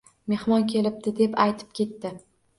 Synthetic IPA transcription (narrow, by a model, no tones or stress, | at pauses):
me̞hmɒnkʲʰe̞lɪp̚d̪ɪd̪e̞pajt̪ʰɪ̥p̚kʲe̞t̪ːɪ